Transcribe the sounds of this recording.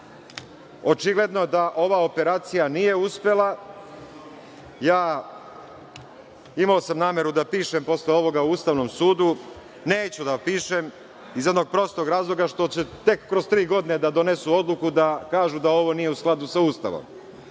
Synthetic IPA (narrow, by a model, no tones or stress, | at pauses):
o̞t͡ʃiɡle̞d̪nod̪aʔo̞ʋao̞pe̞ɾaːt̪sijanije̞uspe̞lˠa | jaː | imao̞samnaːmjeɾud̪apiːʃempo̞sleo̞ʋo̞ɡauuːst̪aʋno̞msuːd̪u | neːt͡ɕud̪apiːʃem | izje̞d̪no̞ɡ̚pɾo̞st̪o̞ɡɾaːzlˠo̞ɡaʃt̪o̞t͡ɕet̪e̞kːɾozt̪ɾiːɡo̞d̪ined̪ad̪o̞ne̞suo̞d̪lˠukud̪akaːʒud̪ao̞ʋo̞nije̞usklˠad̪usauːst̪a̰ʋo̰m